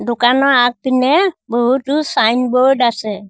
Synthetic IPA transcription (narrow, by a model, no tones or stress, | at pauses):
dukanɔak̚t̪inɛbɔɦutusajnbɔɖasɛ